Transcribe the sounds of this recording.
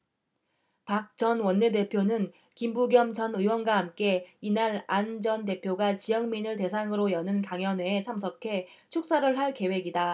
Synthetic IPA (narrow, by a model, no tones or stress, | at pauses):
pak̚t͡ɕʌnwʌnːe̞de̞pʰjonɯn | kimbuɡjʌmd͡ʑʌnɯwʌnɡwaɦamk͈e̞inaɾand͡ʑʌnte̞pʰjoɡat͡ɕijʌŋminɯɭte̞sʰaŋɯɾojʌnɯnkaŋjʌnɦweːt͡ɕʰamsʰʌkʰe̞ | t͡ɕʰuk̚s͈aɾɯɭɦaɭke̞we̞ɡida